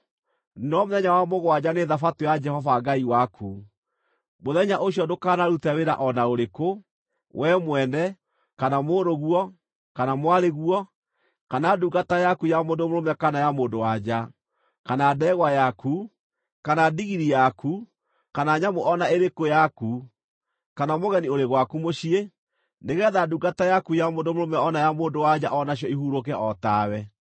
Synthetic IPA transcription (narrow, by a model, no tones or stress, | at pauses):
nɔmoðɛɲawamoɣwad͡ʑaneðafatojad͡ʒɛhɔvaɡaiwakʰu | moðɛɲaʔoɕjɔdokanaɾutaweɾa̰ʔɔnaoɾeko | wʔɛmwɛnɛ | kanamoːɾoɣwɔ | kanamwaɾeɣuɔ | kanaduɡatajakujamoːndomoɾomɛkanajamoːndowad͡ʒa | kanaːdɛɣwajaku | kanadiɣiɾijaku | kanaɲamoʔɔnaeɾekojaku | kanamoɣɛnioɾeɣwakumoɕie | neɣɛðaduɡatajakujamoːndomoɾomɛɔnajamoːndowad͡ʑaʔɔnaɕjɔihuɾokɛʔɔtaːwɛ